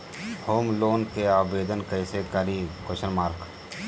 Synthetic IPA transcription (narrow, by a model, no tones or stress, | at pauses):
hoːmloːnkeaːʋeːd̪ənkəɪsekəɾikʊʃəɾmaːɾk